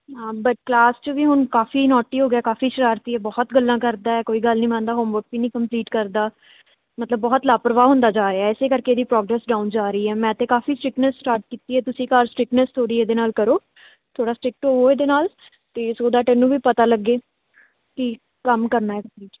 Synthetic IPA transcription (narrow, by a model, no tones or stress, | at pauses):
ɦãːbəʈ̚klaːst͡ʃəʋiːɦʊnkaːfiːnɔːʈiːɦoːɡjaːkaːfiːʃəɾaːɾt̪iːɛːbɔːt̪ɡəlːãːkəɾd̪aːɛːkoːiːɡəlnĩːmə̃nd̪aːɦoːmʋəɾk̚biːnĩːkəmpliːʈkəɾd̪aː | mət̪ləbːɔːt̪laːpɾəʋaːɦʊ̃nd̪aːd͡ʒaːɾeɛːɪseːkəɾkeːd̪iːpɾɔːɡɾɛːsɖaːund͡ʒaːɾəiːɛːmɛ̃ːət̪ẽːkaːfiːsʈɾɪknəsːʈaːɾʈ̚kiːt̪iːɛːt̪ʊsĩːkaːɾsʈɾɪknəst̪ʰoːɽiːeːd̪eːnaːlkəɾoː | t̪ʰoːɽaːsʈɾɪk̚ʈɦoːoːeːd̪eːnaːl | t̪eːsoːd̪aːʈɛːnũːʋiːpət̪aːləɡːeː | kɪ | kəmkəɾnaːɛːkiːt͡ʃ